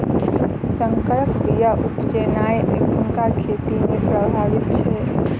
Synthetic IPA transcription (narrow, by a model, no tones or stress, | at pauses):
səŋkəɾəkbijaʔupt͡ʃenajmekuŋkakʰet̪imepɾəbʱaʋit̪̚t͡ʃʰɛ